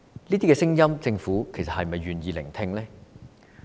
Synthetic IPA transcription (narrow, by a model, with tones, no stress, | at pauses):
liː˥t̪i˥kɛː˧sɪ˥ŋjɐ˥mt͡sɪ˧ŋfuː˨˥kʰe˨˩jsɐ˨thɐ˨jmɐ˨jɥyː˨njiː˨˧lɪ̰˨˩ŋt̪ʰɪ˧ŋlɛː˥